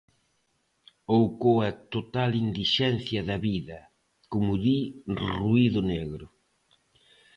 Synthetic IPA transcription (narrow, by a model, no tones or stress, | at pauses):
owkoɐt̪ot̪alind̪iʃɛn̟θjɐðɐβiðɐ | kʊmʊðiruiðʊneɣɾʊ